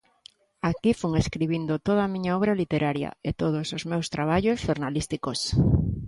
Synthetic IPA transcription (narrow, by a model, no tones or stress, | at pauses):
akifuŋeskɾiβind̪ot̪oðamĩɲaɔβ̞ɾalit̪eɾʔaɾja̰et̪oðosozmewst̪ɾaβ̞aʎosʃoɾnalist̪ikos